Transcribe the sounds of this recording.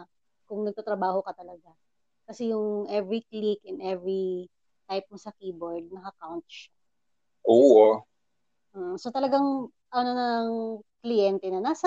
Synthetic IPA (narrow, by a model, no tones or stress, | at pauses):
kʊŋnɐɡ̚t̪aːt̪ɾɐbaːho̞kɐt̪ɐlɐɡa | kɐsɛjʊŋʔɛvɾiklikɛnd̪ʔɛvɾi | t̪ajp̚mosɐkiːboɹd̪̚nɐkɐkawnt̪̚ʃa | ʔoː | m̩ːʔ̩so̞t̪ɐlɐɡaŋ | ʔɐnonɐŋklɪjɛnt̪ɛnɐnasɐ